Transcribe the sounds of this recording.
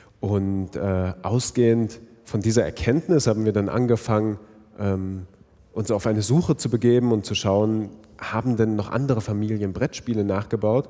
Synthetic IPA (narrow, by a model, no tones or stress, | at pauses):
ʔʊntʔɛːʔaʊsɡ̥eːənt | fɔndiːzɐɛ̰ɐkʰɛntnɪshaːbm̩viːɐdanʔa̰nɡəfaŋən | ʔɛːm | ʔʊnsaʊfʔaɪnəzuːxət͡subəɡeːbm̩ʊnt̚t͡suʃaʊən | haːbm̩dɛnːɔχʔa̰ndəʁ̞əfamiːljənbʁɛtʃpiːlənaːχɡ̥əbaʊt